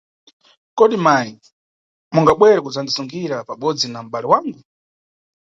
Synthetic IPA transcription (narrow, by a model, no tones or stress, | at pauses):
kɔɗimaji | muŋɡaɓwɛɾɛkud͡zandisuŋɡiɾapaɓɔd͡zinam̩ɓalɛwaŋɡu